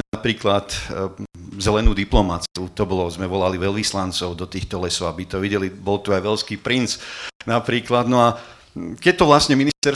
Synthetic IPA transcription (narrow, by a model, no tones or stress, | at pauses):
pɾiːklat̪ | zɛlɛnuːd̪iplɔmat͡siut̪ɔbɔlɔzmɛʋɔlaliʋɛlʋislant͡sɔʊd̪ɔt̪iːxt̪ɔlɛsɔʊabit̪ɔʋiɟɛlibɔlt̪uajʋɛʎskiːpɾint͡snapɾiːklad̪nɔa | kɛt̪ɔʋlasɲɛminist̪ɛɾ